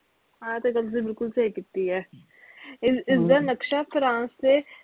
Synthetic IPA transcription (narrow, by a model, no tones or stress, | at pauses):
ɦãːt̪ekɐmsebɪlkʊlsɐikɪt̪ːiɦɛː | ɪɪsd̪əɾnɐkʃafɾãːnsːe